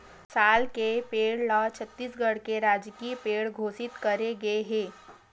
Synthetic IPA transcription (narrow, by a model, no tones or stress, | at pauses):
saːlkepeːɽlat͡ʃʰət̪ːiːsɡəɽkeɾaːd͡ʒkipeːɽɡʱoːsɪt̪kɐɾeɡɐeɦẽː